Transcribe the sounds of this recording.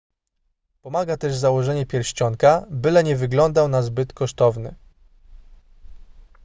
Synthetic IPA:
pɔmaɡat̪ɛʐzawɔʐɛɲɛpʲjɛɾɕt͡ɕɔŋkabɘlɛɲɛvɘɡlɔnd̪awnazbɘt̪kɔʂt̪ɔvnɘ̰

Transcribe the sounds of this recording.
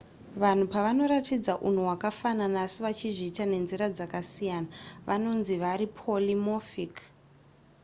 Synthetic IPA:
ʋan̤upaʋano̞ɾatid͡zaʔun̤uwakafananasiʋat͡ʃiʐiːtane̞nziɾad͡zakasijaːnaʋʔano̞nziʋaɾipʰolimofik

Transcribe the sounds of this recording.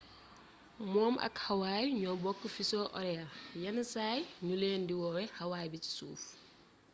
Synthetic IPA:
mɔːmʔɐ̰khɐwaːjɲɔbɔkːəfisɔːʔɔɾɛɐljɐnɐsaːjɲuleːndiwɔwɛhɐwaːjbici̥sṵːf

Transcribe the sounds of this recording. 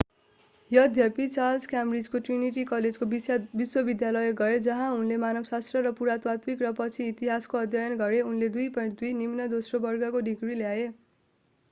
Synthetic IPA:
jʌd̪ʱjʌpit͡salskamrid͡zkoʈriniʈikʌled͡zkoijbiswʌbid̪jalʌjeɡʌed͡zʌɦãunlemanʌɡsast̪rʌɾʌpuɾat̪wat̪mikrʌpʌt͡sʰiːt̪iɦaskoʌd̪ʱjʌjʌnɡʌɾeunled̪ujpʌ̃ʈd̪ujnimnʌd̪osrobʌrɡʌkoɖiɡriljae

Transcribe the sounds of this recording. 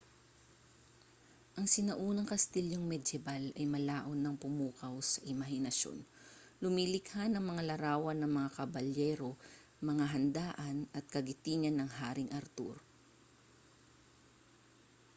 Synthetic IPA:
ʔɐŋsɪnɐʔuːnɐŋkɐst̪iljoŋmɛd̪ɛbalɐjmɐlaːʔo̞nːɐŋpʊmuːkɐwsɐʔɪmɐɦɪnɐʃo̰n | lʊmilɪkhanɐŋmɐŋalɐɾaːwɐnːɐŋmɐŋakɐbɐljɛːɾo̞ | mɐŋaɦɐnd̪aːʔɐnɐt̪̚kɐɡɪt̪iːɲɐnɐŋhaːɾɪŋʔɐɾt̪ṵɾ

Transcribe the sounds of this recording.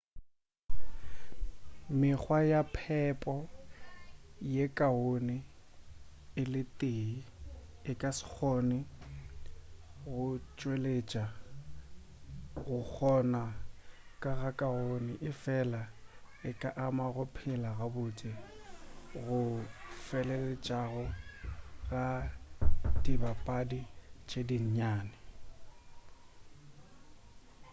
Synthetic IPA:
mɪk͡xwajapʰɛpʼɔ | jekʼaonɪ | ɪlɪtʼei | ɪkʼasɪ̥k͡xʰonɪ | ɣʊt͡ʃʼwelet͡ʃʼa | ɣʊk͡xʰɔnakʼaɣakʼaɣonɪʔɪfɛla | ɪkʼaʔamaɣʊpʰɪlaɣabʊt͡sʼɪ | ɣʊfɛlelɛt͡ʃʼaɣʊ | ɣa | dibapʼadit͡ʃʼediɲ̩ɲaːnɪ

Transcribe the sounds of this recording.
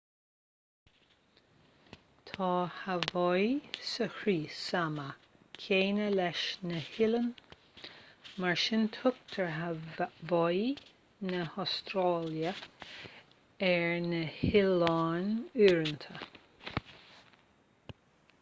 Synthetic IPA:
t̪ʰɑːhavɔjsəhɾiːsamə | kʰeːnəlɛʃnəhɪlən | maɹʃɪnt̪ʰʊk̚t̪ʰəɹɦavɔj | nəɔst̪ɾɑːljə | ɛɹnəhɪlɑːnyːɹənt̪ʰə

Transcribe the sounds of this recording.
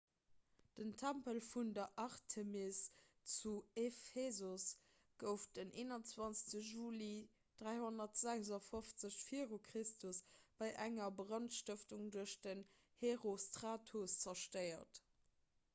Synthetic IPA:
d̥əntʰæmpəlfundɐʔɑʁtʰəmest͡suefezos | ɡ̥əʊf̚d̥ənʔeːnɐnt͡swɑnsə̥təʒuːli | d̥ʁæɪhonɐtz̥æɡzɐfoft͡səɕfiəʁokʁistʰusb̥ɑɪʔæŋɐbʁɑntʃtəftuŋduəɕd̥ən | heʁostʁaːtʰost͡sɐʃtəɪɐt

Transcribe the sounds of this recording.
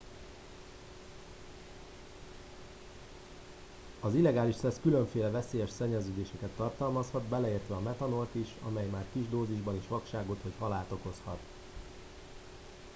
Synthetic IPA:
ɒzilːɛɡaːliʃsɛskyløɱfeːlɛvɛseːjɛʃsɛɲːɛzøːd̪eːʃɛkɛt̪ːɒrt̪ɒlmɒshɒd̪bɛlɛeːrt̪ʋɛɒmɛt̪ɒno̞lt̪iʃɒ̰mɛjmaːrkiʒd̪oːziʒbɒniʃʋɒkʃaːɡo̞t̪ho̞chɒlaːt̪o̞ko̞shɒ̰t̪

